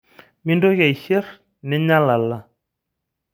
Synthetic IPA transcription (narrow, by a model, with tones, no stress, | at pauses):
mi˦ndo˦ɣa˨i˨ʃe˦r | nɪ˦ɲa˦la˨la˦˨